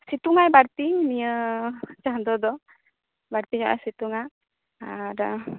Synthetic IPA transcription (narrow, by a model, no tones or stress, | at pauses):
sit̪uŋajbaɾt̪iniət͡ʃaɦnd̪ɔd̪ɔ | baɾt̪iɲɔ̰ʔa̰sit̪uŋa | adə